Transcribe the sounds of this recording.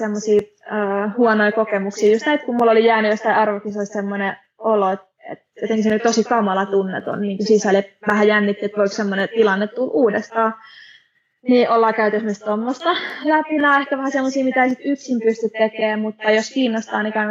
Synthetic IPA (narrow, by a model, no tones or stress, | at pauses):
semːosiː | əːhuɔnoikokemuksiːjust̪næiet̪kumulːolijæːnyjost̪ɑiɑrʋokisoist̪semːone | oloet̪ | ḛt̪jjot̪eŋkisent̪osikɑmɑlɑt̪unːḛt̪o̰nniːŋkusisæleʋæhæjænːit̪ːiet̪ʋoiksemːonet̪ilɑnːet̪t̪ulʔuːdest̪ɑː | niːʔolːɑːkæyt̪esmyst̪t̪omːost̪ɑlæpinæehkæʋæhæsemːosiːmit̪æeisit̪yksimpyst̪yt̪tekeːmmut̪ːɑjoskiːnːost̪ɑːnikɑi